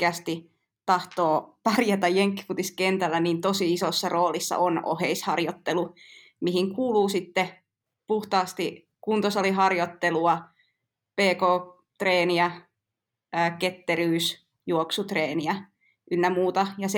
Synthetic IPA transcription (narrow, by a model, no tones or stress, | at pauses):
eæst̪i | t̪ɑht̪oːpɑrjɑt̪ɑjjeŋkːi̥fut̪iskent̪ælːæniːnt̪osiisosːɑroːlisːɑ̰ʔono̰heishɑrjot̪ːelu | mihiŋkuːluːsit̪ːe | puht̪ɑːst̪i | kunt̪osoliɦɑrjot̪ːeluɑ | peːkoː | t̪reːniæ | ket̪ːeɾyːs | juoksut̪reːniæ | ʔynːæmuːt̪ɑjɑs